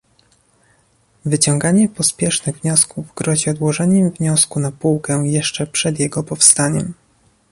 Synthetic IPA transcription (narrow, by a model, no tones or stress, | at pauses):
vɘt͡ɕɔŋɡaɲɛpɔspʲjɛʂnɘɣvɲɔskuvɡɾɔʑiɔd̪wɔʐɛɲɛmvɲɔskunapuwkɛjɛʂt͡ʂɛpʂɛd̪jɛɡɔpɔfst̪aɲɛm